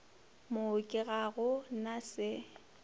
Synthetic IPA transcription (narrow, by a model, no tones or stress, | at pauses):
mʊkʼɪɣaɣʊnasɪ